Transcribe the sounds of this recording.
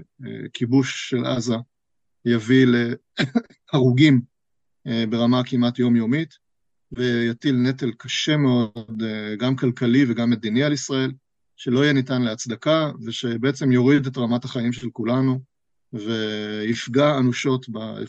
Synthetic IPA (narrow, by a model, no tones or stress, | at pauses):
kʰibuʃːe̞la̰za | javile | aʁuɡim | be̞ʁamakimatjo̞mjo̞mit | vejatilne̞telkaʃe̞meo̞dɡamkalkaliveɡamːed̪inialisʁae̞l | ʃe̞lo̞ijɛnitanleat͡sd̪akaveʃe̞beet͡semjo̞ʁidetʁamathaχaimʃelkulanu | veifɡaːnuʃo̞tbaḛ